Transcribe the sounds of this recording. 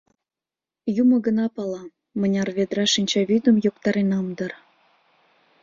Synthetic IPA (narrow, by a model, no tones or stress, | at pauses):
jumɤ̆ɡə̆nɑpɑlɑ | mə̆nʲɑrβʲed̪ɾɑʃinʲt͡ɕɑβyd̪ə̆mjokt̪ɑɾenɑmd̪ɤ̆r